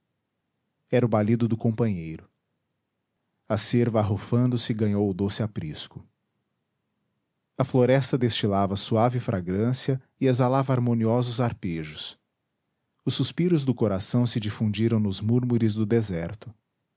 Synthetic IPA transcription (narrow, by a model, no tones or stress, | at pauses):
ɛɾʊbalid̪ʊd̪ʊkõpɐ̃ɲejɾʊ | ɐseɾvɐaɦofɐ̃nd̪ʊsɪɡɐ̃ɲowʊd̪osɪapɾḭskʊ | ɐfloɾɛst̪ɐd̪est͡ʃilavɐsuavɪfɾʔaɡɾɐ̃siɐ | ɪezalavɐaɾmõniɔzʊzaɾpeʒʊs | ʊsːuspiɾʊzd̪ʊkoɾasɐ̃w̃sɪd͡ʒifũd͡ʒiɾɐ̃w̃nʊzmuɾmuɾɪzd̪ʊd̪ezɛɾt̪ʊ